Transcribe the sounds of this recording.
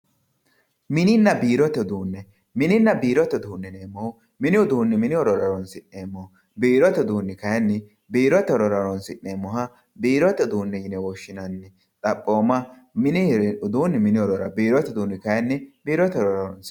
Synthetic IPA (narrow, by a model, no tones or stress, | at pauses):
mɪnɪnːɐbiːɾɔt̪ːɛd̪uːnːɛ | mɪnɪnːɐbiːɾɔt̪ːɛd̪uːnːɛneːmːɔhʊ | mɪnɪʊd̪uːnːɪmɪnɪɔɾɔɾɐɾɔnsɪnːeːmːɔ | biːɾɔt̪ːɛʊd̪uːnːɪkɐjɐnːɪ | biːɾɔt̪ːɛɾɔɾɐɾɔnsɪʔːeːmːɔhɐ | biːɾɔt̪ːɛd̪uːnːɛjɪnɛwɔʃːɪnɐnːɪ | t̪ʼɐpʼːo̞ːmɐ | mɪnʊd̪uːnːɪmɪnɪɔɾɔɾɐ̰biːɾɔt̪ːɛd̪uːnːɪkɐjɐnːɪbiːɾɔt̪ːɛɾɔɾɐɾɔns